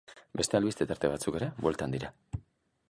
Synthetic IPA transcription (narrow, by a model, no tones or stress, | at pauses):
be̞st̪e̞alβist̪e̞t̪aɾt̪e̞βat͡suke̞ɾe̞βwe̞lt̪and̪iɾa